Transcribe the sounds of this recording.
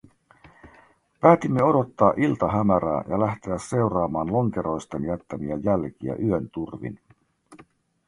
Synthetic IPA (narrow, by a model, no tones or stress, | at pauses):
pæːt̪imːe̞o̞do̞t̪ːɑːʔilt̪ɑɦæmæɾæ̰ːjɑlæht̪e̞æsːe̞wrɑːmɑːnlo̞ŋk̟e̞ɾo̞jst̪enjæt̪ːæmiæjælk̟iæ̰ʔyønt̪urʋḭn